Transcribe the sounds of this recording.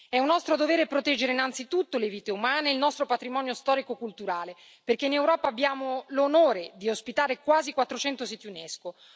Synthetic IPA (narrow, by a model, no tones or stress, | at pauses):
ɛunːɔst̪ɾod̪oveːɾepɾot̪ɛd͡ʒːeɾeinant̪sit̪ut̪ːoleviːt̪eumaːneilnɔst̪ɾopat̪ɾimɔːnjost̪ɔːɾikokult̪uɾaːle | perk̟einewɾɔːpaːbːjaːmolonoːɾed̪iospit̪aːɾekwaːzikwat̪ːɾot͡ʃɛnt̪osit̪junesko